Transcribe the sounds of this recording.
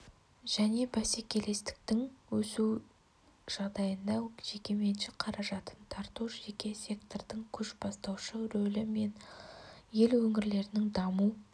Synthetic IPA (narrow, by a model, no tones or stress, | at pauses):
ʒ̥æne̞bæsekʲʰe̞le̞st̪ɪ̥k̚t̪ɪŋwɵsu | ʒ̥ɑʁd̪ɑjənd̪ɑʒ̥e̞kʲe̞me̞nʃɪqʰɑɾɑʒɑt̪ənt̪ʰɑɾt̪uʒe̞kʲe̞sʲe̞kt̪ord̪̥əŋkʲʰʏʃbɑst̪ɑwʃəɾɵlɪme̞n | je̞lwɵŋɪɾle̞ɾɪnɪŋd̪ɑmu